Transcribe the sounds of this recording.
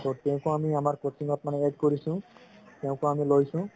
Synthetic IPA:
tɔtɛʊ̃kɔamiamaɹkosiŋɔtmanɛeɖkoɹisʊ̃tɛʊ̃kʊamilojsʊ̃

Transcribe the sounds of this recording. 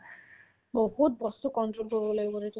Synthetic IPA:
boɦut̚bɔstukɔntɹolkoɹibɔlojbɔɾetʊ

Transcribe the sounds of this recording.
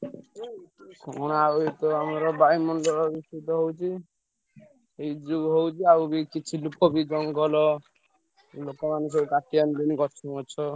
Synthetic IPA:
kɔɽ̃ait̪ɔamaɾɔbaimɔnd̪ɔɾɔbist̪it̪ɔɦowt͡ʃʰi | ejd͡ʒuɡɦowt͡ʃʰiabikit͡ʃʰilukɔbid͡ʒɔŋɡɔlɔ | lokɔmanes̬eukat̪iand̪inikɔt͡ʃʰɔnɔt͡ʃʰɔ

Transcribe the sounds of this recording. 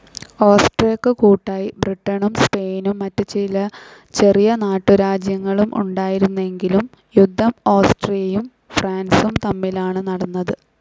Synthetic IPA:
oːsʈrijɐkːɨkuːʈːaːjibriʈːɐɳumspe̞ːjnumːɐtːɨt͡ɕilɐ | t͡ɕe̞rijɐnaːʈːɨɾaːd͡ʑjɐŋːɐɭumʔṵɳɖaːjiɾunːue̞ŋɡilum | jud̪ʱːɐmo̞ːsʈrijɐjum | fraːnsumt̪ɐmːilaːɳɨnɐɽɐnːɐðɨ

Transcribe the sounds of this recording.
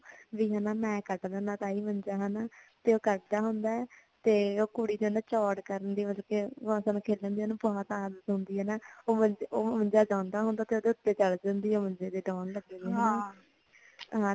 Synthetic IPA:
ʋiːɦanaːmɛ̃ːkəʈd̪əːnãːt̪aːiːməɲd͡ʒaːɦɛnaːt̪eːoːkəʈd̪aːɦʊnd̪aːɛ | t̪eːoːkʊɽiːd̪eːnd̪aːt͡ʃɔːʈkəɾənd̪iːʋəd͡ʒkeəsaːnũːkʰeːlə̃nd̪iːnũːbɔːt̪aːzət̪ɦʊ̃nd̪iːɛːnaːoːmənd͡ʒoːməɲd͡ʒaːd͡ʒãːnd̪aːɦʊ̃nd̪aːt̪eːoːd̪eːʊt̪ːeːt͡ʃəld͡ʒə̃nd̪iːɛoːmə̃ɲd͡ʒeːd̪eːɖɔːnləɡɛaaː | ɦãː

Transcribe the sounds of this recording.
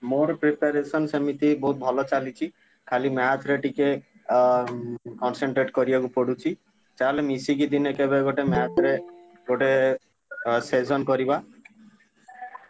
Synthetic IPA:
moɾpɾepaɾesɔnsɔmit̪ibɔɦut̪̚bʱɔlɔt͡ʃalit͡ʃʰi | kʰalimaat̪ʰɾeʈike | kɔnseɳʈɾeʈkɔɾiakupɔɽut͡ʃʰi | t͡ʃalemisiɡid̪inekebeɡoʈemaat̪ʰɾe | ɡoʈe | sed͡ʒɔnkɔɾiba

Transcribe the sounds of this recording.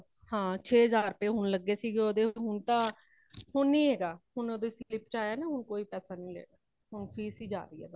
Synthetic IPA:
hãːt͡ʃʰeːɦəzaːɾpeːɦʊnləɡːeːsiːɡeːoːd̪eːɦʊnt̪ãː | hʊnːĩːeːɡaːhʊnoːd̪eːsiːlɪpt͡ʃaːjaːneːɦʊnkoːiːpɛːsaːnĩːlɛ̰ːɡaː | ɦʊnpʰiːsiːd͡ʒa̰ːɾiːɛ̰ːɡaː

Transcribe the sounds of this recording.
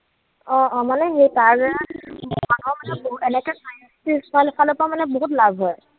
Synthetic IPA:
ɔ̃ɔmanɛɦejtaɹɡɛamanɔmanɛbɛnɛkɛkɔjstismɔjlepʰalopamanɛboɦutlabʱɦɔj

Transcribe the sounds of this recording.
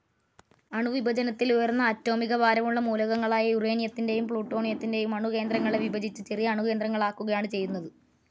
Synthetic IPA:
ɐɳuʋibʱɐd͡ʑɐnɐt̪ːilujɐrnːɐːtːo̞ːmiɣɐbaːɾɐmuɭːɐmuːlɐɣɐŋːɐɭaːjɐjure̞ːnijɐt̪ːinde̞jumpɭuːʈːo̞ːɳijɐt̪ːinde̞jumɐɳuke̞ːnd̪rɐŋːɐɭe̞ʋibɐd͡ʑit͡ɕːɨt͡ɕe̞rijɐɐːɳuke̞ːnd̪rɐŋːɐɭaːkːuɣɐjaːɳɨt͡ɕe̞jːunːɐðɨ

